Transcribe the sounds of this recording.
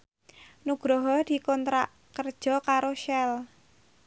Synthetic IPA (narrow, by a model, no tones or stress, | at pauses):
nuɡ̥ɾɔɦɔd̪̥i̤kɔnt̪ɾaʔ | kərd̥ʒ̥ɔ̤kaɾoʃɛl